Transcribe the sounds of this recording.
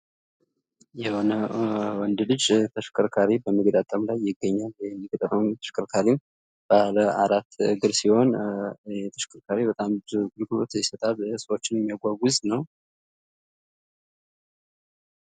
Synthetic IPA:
jɛho̞nəwɔnd̪lɨd͡ʒt̪ʰəʃkʰəɾkʰaɾibəmɨɡd̪at̪ʼəmlajːɪɡːəɲːalmːɪkət̪ʼəɾənt̪ʰə̥ʃkʰəɾkʰaɾim | b̥aləaɾat̪ːɡɨɾsiho̞n | et̪ʰə̥ʃkʰəɾkʰaɾibət̪ʼambɨɾɡɨlɡɨlo̞t̪jɛsət̪ʼalsəwo̞t͡ʃːɪnjɛmːijaɡʷaɡuznəw

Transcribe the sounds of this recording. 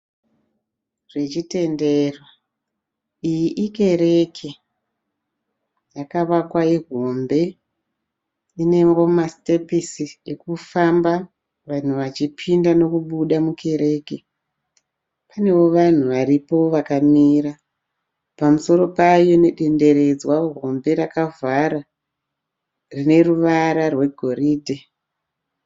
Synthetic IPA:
ʐ̥e̞t͡ʃite̞nderwa | ijiʔike̞ɾe̞kʰe | jakaʋakwaiɦo̞mbe̞ | ine̞ɡo̞maste̞pisie̞kufamba | ʋan̤uʋat͡ʃipʰindano̞kuɓuɗamukʰe̞ɾe̞ːke | pane̞wo̞ʋan̤uʋaɾipo̞ʋakamiːɾa | pamuso̞ɾo̞pajo̞ne̞ɗe̞nde̞ɾe̞d͡zwaɦo̞mbe̞ɾakavaɾa | rine̞ruʋaɾarwe̞ɡʱo̞ɾiːdʱe

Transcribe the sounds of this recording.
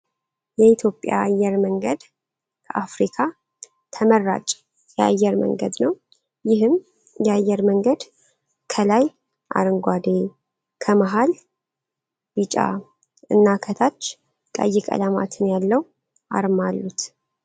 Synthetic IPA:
jɛit̪ʰjo̞pʼja̰ajːɛɾməŋɡəd̪ | kʰəʔafɾikʰa | t̪ʰəmərːa̰t͡ʃʼ | jɛa̰jːɛɾmə̰ŋɡə̰d̪nəw | jɪɦɨm | jɛajːɛɾməŋɡəd̪ | kʰəlaj | ʔa̰ɾɨŋɡʷad̪e | kʰəmaɦal | bɨt͡ʃʼa̰ | ɨnːakʰət̪ʰat͡ʃː | kʼə̰jːɪkʼə̰lama̰t̪ʰɨnjalːəw | ʔa̰ɾmalːut̪

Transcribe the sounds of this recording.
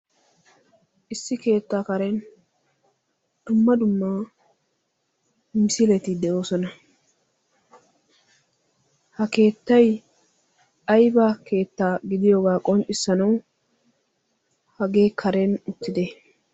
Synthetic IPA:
ʔɪsːɪke̞ːt̪ːaːkɐɾɛn | d̪̥ʊmːɐd̪ʊmːa | mɪsɪlɛt̪ɪd̪ɛʔo̞ːsɔnɐ | hɐke̞ːt̪ːɐj | ʔɐjbɐkʰe̞ːt̪ːaːɡɪd̪ɪjɔɡaːkʼɔnt͡ʃʼɪsːɐnɐw | hɐɡe̞ːkʰɐɾɛnʊt̪ːɪd̪ɛ

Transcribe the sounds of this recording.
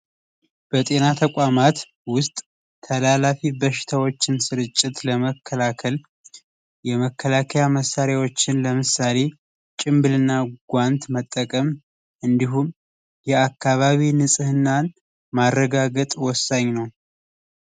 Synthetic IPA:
b̥ət̪ʼe̞nat̪ʰəkʷʼamat̪ | wʊst̪ʼːʰ | əlalafibəʃɪ̥t̪ʰawot͡ʃːɪnsɨɾɨt͡ʃʼːɪt̪ləməkʰːəlakʰəl | jɛməkʰːəlakʰəjaməsːaɾjawo̞t͡ʃːɪnləmɨsːale̞ | t͡ʃʼɪmbɨlɨnːaɡʷant̪mət̪ʼːəkʼəm | ʔɨnd̪iɦum | jɛakʰːaβaβinɨsʼɨhɨnːan | marːəɡaɡət̪ʼwɔsːaɲːnəw

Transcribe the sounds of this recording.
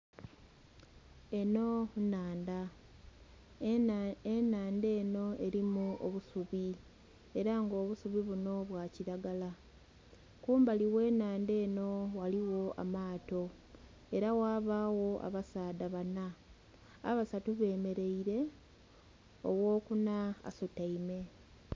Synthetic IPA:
e̞no̞naːnda | enaːnde̞ːno̞e̞ɾimuo̰βusuβi | e̞ɾaŋɡo̞ːβusuβiβuno̞βwaːciɾaɡala | kuːmbaliwe̞ːnaːnde̞ːno̞waliwo̞a̰maːto̞ | e̞ɾawaːβaːwo̞a̰βasaːdaβana̰ː | βasatuβe̞ːme̞ɾe̞iɾe̞ | o̰wo̞ːkunaa̰sotaime̞

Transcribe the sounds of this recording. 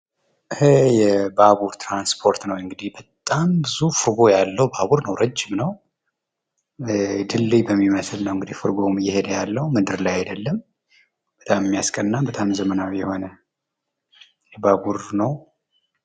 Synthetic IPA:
ʔɨhɨjɛbaβuɾt̪ɾanspʰo̞ɾt̪nəwɨŋɡɨd̪ihbət̪ʼːambɨzufɨɾɡo̞jalːəwbaβuɾnəwɾəd͡ʒːɪmnəw | d̪ɨlːibəmːiməslnəwɨŋɡɨd̪ihfɨɾɡo̞mjɛhed̪əjalːəwmɨd̪ɨɾlajad̪əlːəm | b̥ət̪ʼammːijaskʼənːabət̪ʼamzəmənawjɛho̞nə | jɛbaβuɾnəw

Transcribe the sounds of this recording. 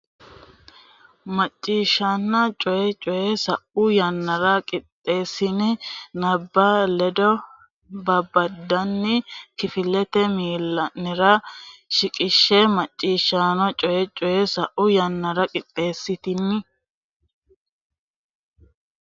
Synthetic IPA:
mɐt͡ʃʼːiːʃːaːnːɐt͡ʃʼɔjɛt͡ʃʼɔjɛsɐʔʊjɐnːɐɾɐkʼɪt̪ʼːe̞ːsːɪnɪnɐbːɐlɛd̪ɔ | bɐbɐd̪ːɐnːɪkɪfɪlːɛt̪ɛmiːlːɐnːɪɾɐʃɪkʼɪʃːɛmɐt͡ʃʼːiːʃːaːnɐt͡ʃʼɔjɛt͡ʃʼɔjɛsɐʔʊjɐnːɐɾɐkʼɪt̪ʼːe̞ːsːɪt̪ɪnːɪ

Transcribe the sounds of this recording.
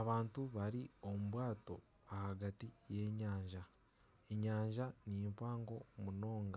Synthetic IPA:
aβaːntuβaɾio̞muβwaːto̞ | ahaɡatije̞ːɲaːɲʒa | eɲaːɲʒaniempaːŋɡo̞muno̞ːŋɡa

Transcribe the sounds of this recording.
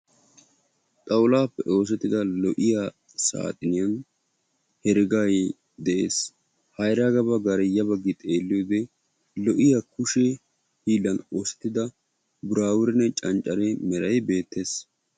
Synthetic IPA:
t̪ʼɐwlaːpːɛʔo̞ːs̬ɛt̪ːɪd̪ɐlɔʔɪja | sa̰ːt̪ʼɪnɪjɐn | hɛɾɪɡaj | d̪ɛʔḛːs | hɐjɾaɡɐbɐɡɐɾɛjːɐbɐɡːɪt̪ʼe̞ːlːɪjoːd̪ɛ | lɔʔɪjakʊʃɛ | hiːlːɐno̞ːsɛ̥t̪ːɪd̪ɐ | bʊɾaːwʊɾɛnːɛt͡ʃʼɐnt͡ʃʼːɐɾɛmɛɾɐjbe̞ːt̪ːeːs

